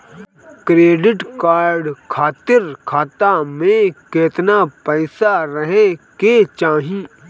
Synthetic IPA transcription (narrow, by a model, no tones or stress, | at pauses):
kɾeːɖɪʈkaːɾɖkʰaːt̪ɪɾkʰaːt̪amẽkeːt̪napəɪsaɾəɦẽket͡ʃaːɦĩː